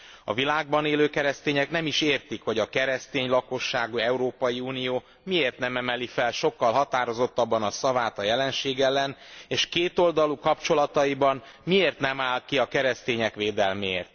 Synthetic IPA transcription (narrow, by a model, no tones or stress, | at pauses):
ɒ̰vilaːɡ̚bɒneːløːkɛɾɛst̪eːɲɛknɛmiʃeːrt̪ikho̞ɟɒkɛɾɛst̪eːɲlɒko̞ʃːaːɡuɛuɾoːpɒjiuːnijoː | mieːrt̪nɛmɛmɛlifɛlʃo̞kːɒlɦɒt̪aːɾo̞zo̞t̪ːɒbːɒnɒsɒvaːt̪ɒjɛlɛnʃeːɡɛlːɛneːʃkeːt̪o̞ld̪ɒlukɒpt͡ʃo̞lɒt̪ɒibɒn | mieːrt̪nɛmaːlkiɒkɛɾɛst̪eːɲɛkʋeːd̪ɛlmḛːrt̪̚